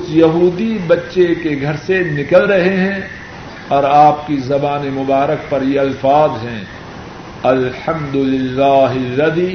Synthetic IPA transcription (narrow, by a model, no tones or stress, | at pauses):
ʊt͡ʃjɐɦuːd̪ibɐtːʃekeɡʱɐɾsenɪkəlɾɐɦeɦɛ̃ | ɔːɾaːp̚kizɐbaːnemʊbaːɾək̚pɐɾjeɐlfaːzɦɛ̃ː | ɐlħɐ̃md̪ʊlɪlːaːɦɐlːɐd̪iː